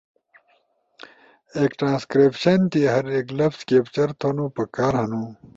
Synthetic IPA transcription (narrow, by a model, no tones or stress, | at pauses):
eːkʈɾãːskɾepɕɐnt̪iɦɐɾeklɐpskeːpt͡ɕɐɾt̪ʰonũpɐkaːɾɦɐnũ